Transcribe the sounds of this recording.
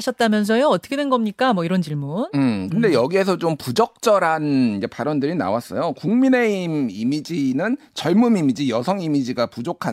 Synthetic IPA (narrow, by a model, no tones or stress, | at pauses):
aɕʰʌt̚t͈amjʌns̬ʰʌjoʌt͈ʌkʰedwenɡʌmɲik͈amwʌiɾʌnt͡ɕiɭmunɯkɯnde̞jʌɡie̞sʰʌt͡ɕompud͡ʑʌk̚t͡ɕ͈ʌɾanid͡ʑe̞paɾʌndɯɾina̰was͈ʌ̰jokuŋmine̞imimid͡ʑinɯn | t͡ɕʌɭmumimid͡ʑijʌsʰʌŋimid͡ʑiɡapud͡ʑokʰa